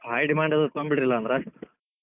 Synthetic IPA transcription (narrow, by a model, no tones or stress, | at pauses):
hɐjɖimaːɳɖɐðɐt̪ombiʈɾilːɐːnd̪ɾɐ